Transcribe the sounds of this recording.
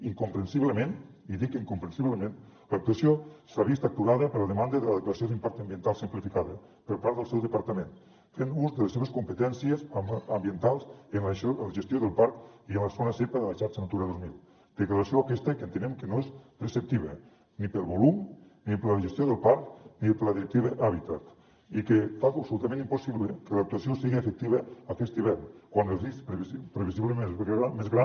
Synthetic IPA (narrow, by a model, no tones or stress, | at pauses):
iŋkumpɾənsiβləmen | iðikiŋkumpɾənsiβləmẽnlək̚t̪uasiosɾaβist̪ak̚t̪uɾaðəpəɾləðəmand̪əðələðəkləɾasioðympaɾk̚t̪əmbiənt̪alˠsimplifikaðə | pəɾpaɾd̪əlˠsɛwðəpaɾt̪əmẽn | fenuzðələseβ̞əskumpət̪ɛnsiəzəmbiənt̪alˠzənləʒəst̪joðəlˠpaɾkiənləsonəsepəðəlaʃaɾt͡ʃənat̪uɾaðozmilˠ | d̪̥eklaɾasjoakɛst̪ekənt̪enemkenoespɾesep̚t̪iβe | nipəlˠβolum | nipeɾlaʒest̪joðelˠpaɾknipɾlaðiɾek̚t̪iβeʔaβit̪at̪ | ikefaɣəpsoulut̪amẽnimposiβlekəlak̚t̪uasijosiɣiefek̚t̪iβəakɛst̪iβ̞ɛɾnkwanezispɾepɾeβisiβlemenamezɣɾa